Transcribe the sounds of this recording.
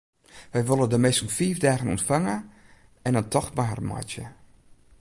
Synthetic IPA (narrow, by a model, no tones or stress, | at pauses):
ʋɛjʋolˠədəmɛsunfiːfdaːɣənɔ̰ntfaŋə | ɛnəntʰɔxtmaːrma̰tjə̰